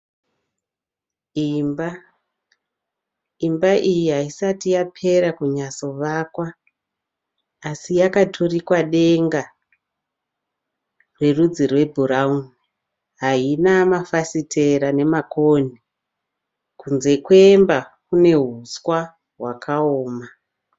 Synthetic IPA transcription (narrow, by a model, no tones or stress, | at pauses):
imba | imbaʔijiɦaisatijapʰe̞ɾakuɲaso̞ʋakwa | sijakatʰorikwaɗe̞ŋɡa | rwe̞rud͡zirwe̞bʱuɾauni | ɦainamafasitʰe̞ɾane̞makʰoni | kunze̞kwe̞mbakune̞ɦuskwa | ɦwakʰaoːma